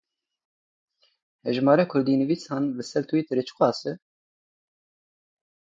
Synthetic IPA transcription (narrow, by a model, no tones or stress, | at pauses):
hɛʒmɑːɾɛkʰʊɾd̪iːnɨviːsɑːnlɨsɛɾt̪ʰuit̪ɨɾet͡ʃʰɨ̥xʷɑːsɨ